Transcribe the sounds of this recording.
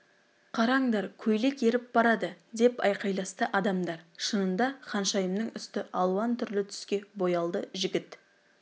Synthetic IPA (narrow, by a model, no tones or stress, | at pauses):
qʰɑɾɑɴd̪ɑɾkʲʰɵjle̞ke̞ɾɪp̚b̥ɑɾɑd̪əd̪e̞pɑjqɑjlˠɑst̪əʔɑd̪ɑmd̪ɑɾʃənənd̪ɑχɑnʃɑjəmnəŋʏst̪ɪʔɑlˠuɑnt̪ʰʏɾlɪt̪ʰʏ̥skʲe̞bo̞jɑlˠd̪əʒɪɡʲɪt̪